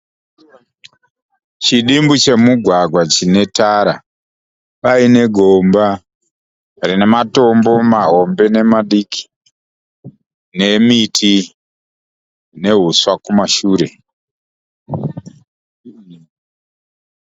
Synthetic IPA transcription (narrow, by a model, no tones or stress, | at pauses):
t͡ʃiɗimbut͡ʃe̞muɡʱwaɡʱwat͡ʃine̞taɾa | paine̞ɡʱomba | rine̞mato̞mbo̞maɦo̞mbe̞ne̞maɗikʰi̥ | ne̞mitʰi | ne̞ɦuswakumaʃuːɾe̞